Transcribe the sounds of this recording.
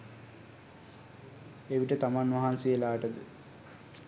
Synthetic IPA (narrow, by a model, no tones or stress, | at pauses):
eʋiʈət̪amanʋaɦansejəlaːʈəd̪ə